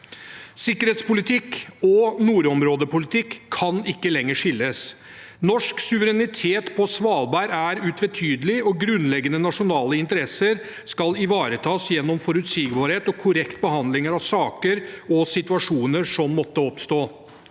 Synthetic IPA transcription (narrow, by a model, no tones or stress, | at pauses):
sɪkːəɾeːt̪spʊlɪt̪ʰɪkːɔnuːɾɔmɾoːd̪əpʊlɪt̪ʰɪkʰːɑnɪkːəlɛŋːəʂɪlːəs | nɔʂksʉʋəɾɛnɪt̪ʰeːt̪pʰɔsʋɑːlbæɾæɾʉːt̪ʰʋɛt̪ʰyːd̪əlɪɔɡɾʉnlɛɡənənɑʂʊnɑːləɪnt̪əɾɛsəɾ | skɑlɪʋɑːɾət̪ʰɑːsjɛnːɔmfɔɾʉt̪siːɡbɑːɾheːt̪ɔkʰʊɾɛkt̪bəɦɑnd̪lɪŋəɾɑʋsɑːkəɾɔsɪt̪ʉɑʂuːnəʂɔmːɔt̪ːəɔpst̪oː